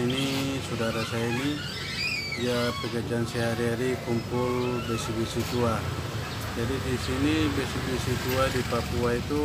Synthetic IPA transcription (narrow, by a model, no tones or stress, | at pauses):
inisudaɾasaini | iapɛɡad͡ʒansɛɦaɾiaɾikumpulbɛsibisit̪ua | d͡ʒadidisinibɛsibisit̪uadipapuait̪u